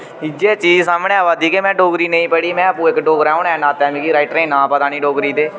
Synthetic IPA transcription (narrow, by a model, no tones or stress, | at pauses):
id͡ʒeːt͡ʃiːd͡ʒsaːmnẽːaʋaːd̪iːkemɛ̃ːɖoːɡɾiːnəĩːpəɽiːmɛ̃ːəpũːɪkɖoːɡɾãʊɳɛːnaːt̪ɛːmĩːkiːɾaɪʈɾẽːnãːpət̪aːnĩːɖoːɡɾiːd̪eː